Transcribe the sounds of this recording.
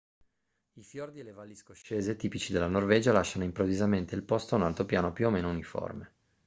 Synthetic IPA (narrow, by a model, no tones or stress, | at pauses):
ifjord̪ielevalːiskot͡ʃːeːzet̪iːpit͡ʃid̪elːanorvɛːd͡ʒalaʃːanoimpɾovizament̪eilpost̪oaunalt̪ɾopjaːnopjuomeːnounifo̰rme